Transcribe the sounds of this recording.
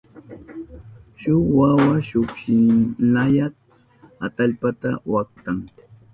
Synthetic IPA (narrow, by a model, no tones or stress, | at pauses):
ʃʊwawaʃʊkʃɪnajat | at̪aʎpat̪awak̚t̪aŋ